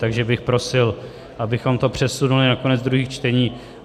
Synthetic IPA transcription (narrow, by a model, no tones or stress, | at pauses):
t̪aɡʒɛbɪxpɾo̞sɪl | ʔabɪxo̞mt̪o̞pr̝̥ɛsunulɪnako̞nɛd͡zd̪ɾuɦiːxt͡ʃt̪ɛɲiː